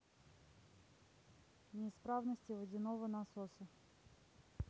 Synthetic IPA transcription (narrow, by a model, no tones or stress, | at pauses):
nʲɪspɾavnəsʲtʲɪvədʲɪnovənasosə